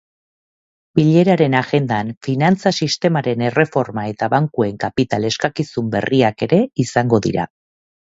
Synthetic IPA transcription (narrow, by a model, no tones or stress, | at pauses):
b̥iʎe̞ɾaɾe̞naɣe̞nd̪anfinant͡sasist̪e̞maɾe̞ne̞re̞fo̞ɾmae̞t̪aβaŋkue̞ŋkapit̪ale̞skakisumbe̞̰riake̞ɾe̞isaŋɡo̞ðḭɾa̰